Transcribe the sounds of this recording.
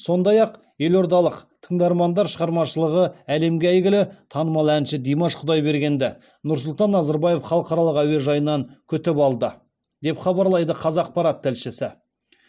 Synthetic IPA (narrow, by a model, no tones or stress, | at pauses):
so̞nd̪ɑjɑq | je̞lo̞ɾd̪ɑlˠəqt̪ʰəɴd̪ɑɾmɑnd̪ɑɾʃəʁɑɾmɑʃəlˠəʁəæle̞mɡʲeæjɡʲɪlɪt̪ʰɑnəmɑlˠænʃɪd̪ijmoʃqʰʊd̪ɑjbe̞ɾɡʲe̞nd̪ɪ | nʊɾs̬ʊlˠt̪ɑnːɑzɑɾbɑje̞fχɑlˠəqɑɾɑlˠəqæweʒɑjənːɑŋkʲʰʏt̪ɪpɑlˠd̪ə | d̪e̞pχɑbɑɾlˠɑjd̪əqʰɑzɑːq̚pɑɾɑt̪ːɪlʃɪsɪ